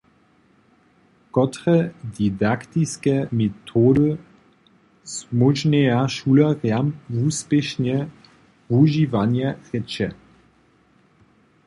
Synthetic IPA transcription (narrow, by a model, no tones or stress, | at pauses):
kɔtʁɛdidakt̪iskɛmetʰoːdə | smoʒnɛjaʃulɐʁjamvuːspɛʃnɛ | vuʒivanjɛʁɛt͡ʃɛ